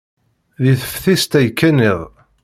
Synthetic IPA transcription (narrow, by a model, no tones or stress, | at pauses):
ðiθə̥fθist̪æjkːæniðˤ